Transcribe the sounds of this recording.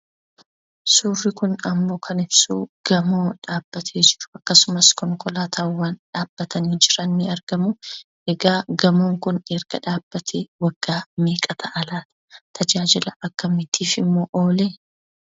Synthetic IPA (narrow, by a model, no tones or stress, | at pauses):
suːrːɪkʊnɐmːo̞ːkʰɐnɪbsṵːɡ̥ɐmo̞ːᶑaːb̥ːɐt̪ʰe̞ːd͡ʒɪɾʊ̥ɐkːɐsʊmɐskɔŋkʼɔlaːt̪ʰɐwːaːnᶑaːb̥ːɐt̪ɐniːd͡ʒɪɾɐnːɪɐɾɡ̥ɐmʊ | ɛɡaːɡɐmoːŋkʊneːɾɡ̥ɐᶑaːb̥ːɐt̪ʰeːwɐɡ̥ːaːmeːkʼɐt̪ʰɐʔɐlaːt̪ɐ̥t̪ʰɐd͡ʒaːd͡ʒɪlɐʔɐkːɐmɪt̪ʰiːfɪmːo̞ːʔo̞ːleː